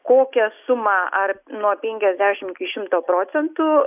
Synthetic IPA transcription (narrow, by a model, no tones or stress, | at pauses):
koːkʲɛsʊmɑʔɐrnuɔpʲɛŋʲkʲɛzʲd̪ʲæːʃʲɪmɪkʲɪʃʲɪmt̪oːpɾoːt̪sʲɛnt̪ʊː